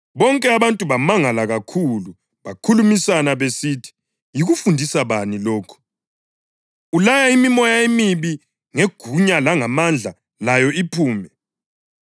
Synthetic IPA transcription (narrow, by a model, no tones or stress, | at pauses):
βɔŋkʼɛaβantʼuβamaŋalaɣakʰulu | βakʰulumisanaβesiːtʰi̥ | jiɣufundʱisaβanilɔːkʰɔ̥ | ulajaimimɔjaemiβi | ŋeɡ̥ʱuɲalaŋamand͡ɮʱa | lajɔipʰuːmɛ